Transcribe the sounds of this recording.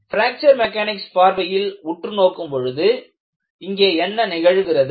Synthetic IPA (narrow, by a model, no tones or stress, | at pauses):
fɪɾaːk̚t͡ʃɐɾmɛkːaːnɪkspaːɾʋɐjɪlʊʈrɯnoːkːɯmpɔɻɯðɯ | ɪŋɡeːɛnːɐnɪɣɐɻɯɣɪrɐðɯ